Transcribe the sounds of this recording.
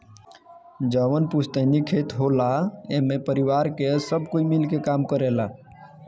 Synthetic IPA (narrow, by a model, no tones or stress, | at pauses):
d͡ʒəʋənpust̪ənikʰet̪ɦolaẽmepəɾiʋaɾkesəbʱkoimilkekamkəɾela